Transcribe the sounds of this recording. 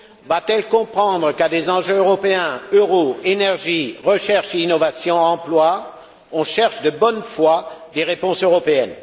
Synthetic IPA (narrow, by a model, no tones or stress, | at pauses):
vat̪ɛlkɔ̃pχɑ̃d̪ʁəkad̪ezɑ̃ʒøøʁɔpeɛ̃øʁoenɛʁʒiʁəʃɛʁʃeinɔvasjɔ̃ɑ̃plwa | ɔ̃ʃɛʁʃd̪əbɔnfwad̪eʁepɔ̃søʁɔpeɛn